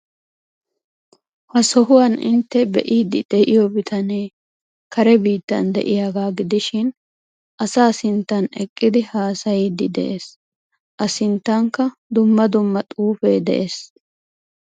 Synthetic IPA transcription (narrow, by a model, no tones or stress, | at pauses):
hɐsɔɦʊwɐnɪ̰nt̪ːɛbɛʔiːd̪ɪd̪̥ɛʔɪjobɪt̪ʰɐneː | kɐɾɛbiːt̪ːɐ̰nd̪ɛ̰ʔɪjaːɡaːɡɪd̪ɪʃɪn | ʔɐsaːsɪnt̪ːɐnɛkʼːɪd̪ɪhaːsɐjiːd̪ɪd̪ɛ̰ʔeːs | ʔɐsɪnt̪ːaŋkːɐ | d̪ʊmːɐd̪ʊmːɐt̪ʼuːfeːd̪ɛ̰ʔeːs